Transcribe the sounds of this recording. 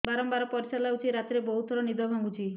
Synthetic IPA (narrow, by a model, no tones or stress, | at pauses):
baɾɔmbaɾɔpɔɾit͡ʃalawt͡ʃʰiɾat̪iɾebɔɦut̪ʰɔɾɔnid̪ɔbʱaŋɡut͡ʃʰi